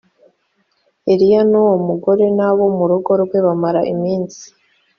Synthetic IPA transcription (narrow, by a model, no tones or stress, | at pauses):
eɾijanuwomuɡo̞ɾe̞naβo̞muɾuɡo̞ɾɡwe̞βamaɾaʔimiːnsi̥